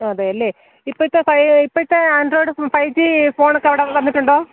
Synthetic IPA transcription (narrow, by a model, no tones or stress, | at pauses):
oɐðeɐlːeː | ipːoit̪ːefɐjipːoit̪ːeɐnɖroːɽɨfɐjd͡ʑifo̞ːɳokːeʋiɽeʋɐnːiʈːuɳɖoː